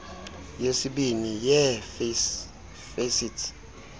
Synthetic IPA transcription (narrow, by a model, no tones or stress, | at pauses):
jesiɓinijɛfs | fesitʰ